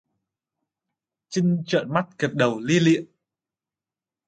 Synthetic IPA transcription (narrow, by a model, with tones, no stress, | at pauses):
t͡ɕï˧ŋt͡ɕə̰ː˧˨nma˦˥t̚ke˨˩p̚ɗə˨˩wli˧lḭ˧˨ən